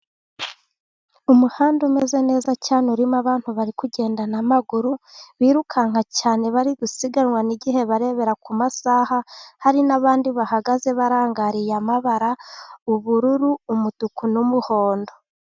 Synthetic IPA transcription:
umuhaːndume̞ze̞ne̞ːzacaːnuɾimaβaːn̥huβaɾikuɟe̞ːndanamaɡuɾuβiːɾukʰaŋ̥acaːne̞βaɾiɡusiɡanŋwaniɟiɦe̞βaɾe̞βe̞ɾakumasahahaɾinaβaːndiβahaɡaze̞βaɾaːŋɡaɾijamaβaɾauβuɾuɾuːmutukunumuho̞ːndo̞

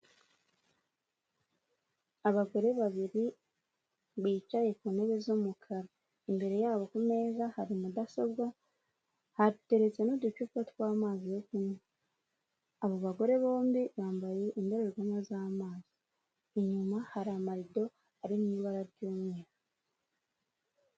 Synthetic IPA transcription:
aβaɡo̞ɾe̞βaβiɾi | βiːt͡ʃaje̞kuːneβe̞zomukʰaɾa | imbe̞ɾe̞jaːβo̞kume̞ːzahaɾimudasobwa | hadute̞ɾe̞t͡se̞nodut͡ʃukatkwaːmaːzijokuɲa | aβo̞βaɡo̞ɾe̞βo̞ːmbiβaːmbaje̞ʔindo̞ɾeɾɡamozaːmaːz̥iː | ɲumahaɾaːmaɾido̞ | aɾiniːβaɾaɾɟoːmŋiːka

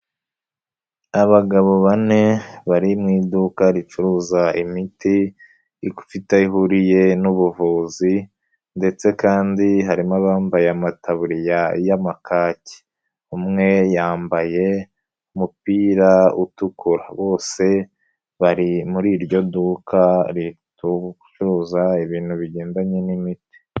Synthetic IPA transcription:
aβaɡaβo̞βane̞βaɾimŋiːdukaɾit͡ʃuɾuːzaimitiː | ku̥fitaiɦuɾije̞nuβuvuːzi | nde̞t͡se̞kaːndiɦaɾimaβaːmbajeamatʰaβuɾijajamakaːci̥ | umŋe̞jaːmbaje̞ | umupiːɾaṵtukuɾa̰βo̞ːse̞ | βaɾimuɾiːɾɟo̞dukaɾituu̥t͡ʃuɾuːzaiβiːn̥huβiɟe̞ːndaɲenimiti̥

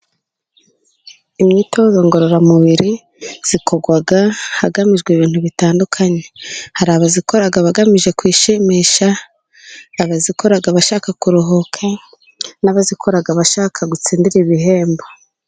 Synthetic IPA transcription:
imɲiːto̞ːzo̞ŋɡo̞ɾo̞ɾamuβiɾi | z̥ikʰo̞ɡwaɡahaɡamiʒɡwiβiːntuβitaːndukʰaɲe̞haɾaːβaziko̞ɾaɡaβaɡamiʒe̞kwiːʃemiʃaː | βazikʰo̞ɾaɡaβaʃaːkakuɾuɦokʰa | naβazikʰo̞ɾaɡaβaʃaːkʰaɡut͡siːndiɾiβiɦe̞ːmbo

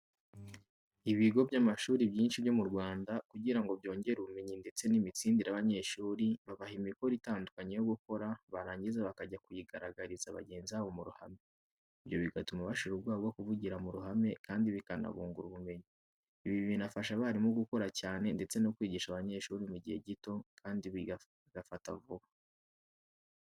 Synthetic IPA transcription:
iβiɡo̞bjamaʃuːɾibjiːnʃiβjo̞muɾɡwaːndakuɟiɾaŋɡo̞bjo̞ːɲɟe̞ɾuβume̞ɲinde̞t͡se̞nimit͡siːndiɾaβaɲe̞ːʃuːɾiβaβahimikoɾitaːndukaɲejoɡuko̞ɾaβaɾaːɲɟizaβakaɟakujiɡaɾaɡaɾizaβa̰ɟe̞ːnziaβo̞muɾuhame̞ | iβjo̞βiɡatumaβaʃiɾuɾɡwaːɡo̞kuvuɟiɾamuɾuɦame̞kaːndiβikana̰βuːŋɡuɾuβume̞ɲi | iβiβiβinafaʃaβaɾimuɡuko̞ɾacaːne̞nde̞t͡se̞no̞kwiːɟiʃaβaɲe̞ʃuːɾimuɟihḛɟito̞kʰaːndiβi | ɡafatavuβa

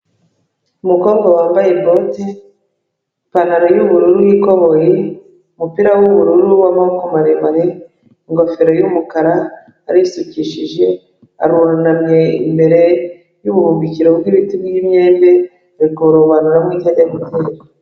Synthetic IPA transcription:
umukoːbɡawaːmbaje̞bo̞te | panaɾojuβuɾuɾuwikoβo̞je | umupiɾawuβuɾuɾuwamaokomaɾemaɾe | iŋɡofeɾojumukaɾaː | ɾisuciʃiʒe̞ | a̰ɾuɾanamɲe̞ḭmbe̞ɾe̞ | juβuɾuːmbiciɾobɡiːβitibɡimɲe̞ːnbe | ɾikoβoɾoβanuɾamŋiːtadamuteːɾa

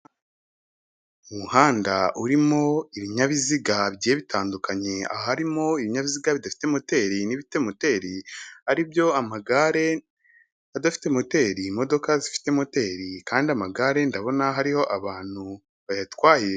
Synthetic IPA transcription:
umuhaːndaʔuɾimo̞iβiɲaβiziɡabɟijeβitʰaːndukaɲe̞a̰hahaɾimo̞iβiɲaβiziɡaβidafi̥temote̞ɾiniβite̞mote̞ːɾihaɾibjo̞amaɡaɾe̞ | adafi̥te̞mo̞te̞ɾimo̞do̞kazifi̥te̞mo̞te̞ɾikaːndiamaɡaɾe̞ndaβo̞naɦaɾiho̞ʔaβaːn̥hu | βajatwaːje

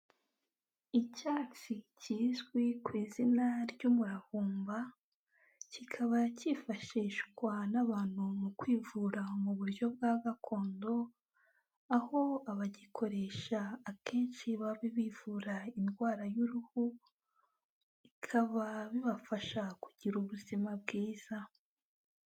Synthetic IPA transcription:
icaːt͡siciːzɡwikwiːzinaɾɟumuɾahuːmba | cikʰaβacifaʃiːʃkwanaβaːn̥humukwiːvuɾamuβuɾjo̞b̚ɡaːɡakʰo̞ːndo̞ | aho̞aβaɟikʰo̞ɾe̞ʃaːkʰe̞ːnʃiβaβiβiːvuːɾainɡwaːɾajuɾuhu | ikʰaβaβiβafaʃakuɟ̥iɾuβuzimab̚ɡiːz̥a

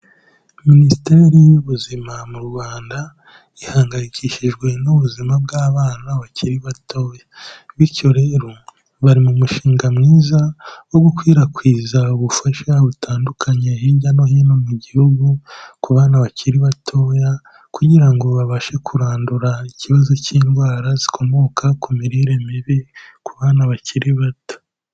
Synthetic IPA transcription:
minisite̞ːɾijuβuzimamuɾɡwaːnda | ihaːŋɡaɾiciːʃiʒɡwe̞nuβuzimabɡaːβaːnaβaciɾiβato̞ːjaβiɾco̞ɾe̞ːɾo̞ | βaɾimumuʃiːŋɡamŋiːzawo̞ɡukwiːɾakwiːzauβufaʃaβutaːndukʰaɲe̞ɦiːɟano̞ɦinomuɟihuɡukuβaːnaβaciɾiβatʰo̞ːja | kuɟiɾaŋɡo̞βaβaʃe̞kʰuɾaːnduɾaiciβazo̞ciːnɡwaːɾazikʰo̞mo̞kʰakumiɾiɾemiβikuβaːnaβaciɾiβato̥

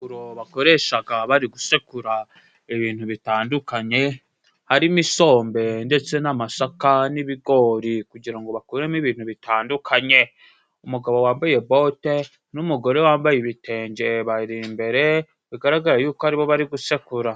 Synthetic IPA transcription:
uɾo̞βako̞ɾe̞ːʃaɡaβaɾiɡusekuɾa | eβiːn̥huβitaːndukaɲe̞ | haɾimiso̞ːmbe̞nde̞t͡se̞namasakaniβiɡo̞ɾikuɟiɾaŋɡo̞βakuɾemiβiːnhuβitʰaːndukʰaɲe̞ | umuɡaβo̞waːmbaje̞bo̞te | numuɡo̞ɾe̞waːmbajiβite̞ːɲɟe̞βaɾimbe̞ɾe̞ | βiɡaɾaɡaɾajuːkoaɾiβo̞βaɾiɡuse̞kuɾa

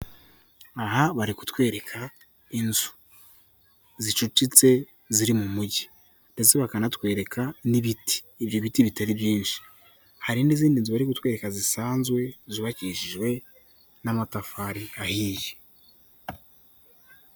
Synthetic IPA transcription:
aɦaβaɾiku̥twe̞ːɾe̞kʰa | inzu̥ | zit͡ʃut͡ʃit͡se̞ | ziɾimumuɟi | nde̞t͡se̞βakanatwe̞ːɾe̞kaniβiti̥ːbjoβitiβitaɾibjiːnʃi̥ | haɾiniziːndinzuβaɾikutwe̞ːɾe̞kazisaːnzɡwe̞ziβaciʃiʒwe̞ | namatafaɾiahiːje̥

